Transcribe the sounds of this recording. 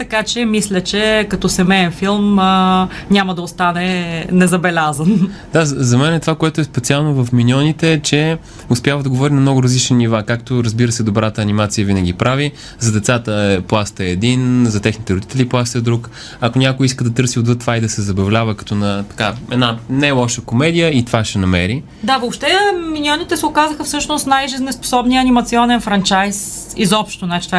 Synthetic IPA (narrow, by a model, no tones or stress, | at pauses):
t̪ɐkat͡ʃɛmislʲət͡ʃɛkɐt̪ɔsɛmɛɛnfilˠmənʲamɐd̪ɐost̪anɛnɛzɐbɛlʲazənd̪̥azzɐmɛnɛt̪ovakoɛt̪ʊɛspɛt̪sialˠnovɐfminʲɔnit̪ɛːt͡ʃɛ | ʊspʲjavəd̪ɐɡovɔɾinɐmnɔɡʊɾɐzlit͡ʃninivakakt̪oɾəzbiɾəsɛd̪obɾat̪əːnimat̪sijəvinəɡʲipɾavi | zɐd̪ɛt̪sat̪əɛplˠast̪əɛːd̪inzɐt̪ɛxnit̪ɛɾʊd̪it̪ɛliplˠast̪əɛd̪ɾuk | ɐkonʲakojiskəd̪ɐt̪ɤɾsiod̪vɤt̪ːvaid̪ɐsɛzɐbɐvlʲavəkɐ̥t̪ɔnɐt̪ɐ̥kaɛnanajlˠɔʃəkomɛd̪ijəit̪ovaʃɛnɐmɛɾi | d̪avopʃt̪ɛminiɔnit̪ɛsɛʊkazəxəfsɤʃnʊst̪najʒiznɛspo̥sɔbnijəɐnimɐt̪siɔnɛnfɾant͡ʃajs | izɔpʃt̪onat͡ʃi̥t̪va